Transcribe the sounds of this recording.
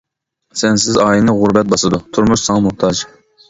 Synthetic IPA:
sɛnsɪzɑːjinɨʁʊɾbɛt̪̚bɑsɨd̪ut̪ʰuɾmuʃsɑŋɑmʊht̪ʰɑd͡ʒ

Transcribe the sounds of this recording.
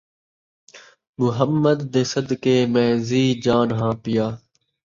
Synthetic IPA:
mʊɦəmːəd̪ːeːsəd̪keːmɛ̃ːziːd͡ʒaːnɦãːpɪjaː

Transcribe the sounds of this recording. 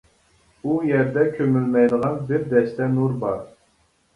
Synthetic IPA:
ujɛɾd̪ɛkʲʰømylmɛjd̪əʁɑnbɪɾd̪ɛʃt̪ɛnuɾbɑɾ

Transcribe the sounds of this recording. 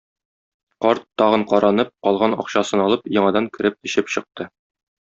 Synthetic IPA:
qɒɾt̪ːɒʁɤɴqɒɾɑnɤp̚qɒlˠʁɑnɒ̰qɕɑsɤnɒlˠɤpjɒɴɑd̪ɑŋkɘ̆ɾɘp̚ɘ̆ɕɘpɕɤ̆q̚t̪ɤ

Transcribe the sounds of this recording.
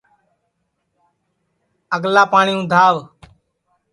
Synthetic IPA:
əɡlaːpaːɳiːũːd̪ʱaːʋ

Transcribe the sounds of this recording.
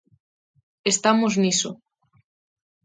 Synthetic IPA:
est̪amozniso

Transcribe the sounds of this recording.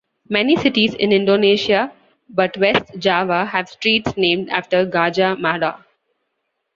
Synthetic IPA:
mɛnisɪʈizɪ̰̃nɪ̃ɳɖoːneːʃia | bʌʈʋesʈd͡ʒaːʋahæʋsʈɾiːʈsnẽːmɖa̰ːfʈəɾɡaːd͡ʒamaːɾa

